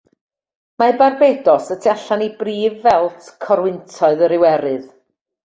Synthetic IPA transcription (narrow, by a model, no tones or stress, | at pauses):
mabarbeːdɔsətʰɛɬanibriːvːɛlˠtʰkʰɔɾwɪntʰɔɨðəɾɪwɛɾɨð